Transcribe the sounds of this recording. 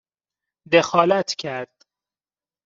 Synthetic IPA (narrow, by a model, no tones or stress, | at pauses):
d̪exɒːlæt̪ʰcʰæɾd̪̥